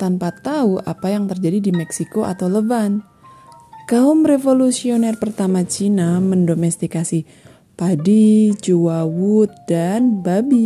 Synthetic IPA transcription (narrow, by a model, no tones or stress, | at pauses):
t̪anpat̪auʔapajaŋt̪ərd͡ʒadidimɛksikoʔa̰t̪awləban | kaumrefolusionɛrpərt̪amat͡ʃinaməndomɛst̪ikasi | padit͡ʃuwawut̪̚danbabi